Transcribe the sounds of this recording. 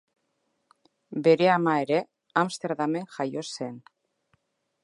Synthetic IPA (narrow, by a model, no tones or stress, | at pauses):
beɾeamaeɾe | amst̪eɾðameŋxajosen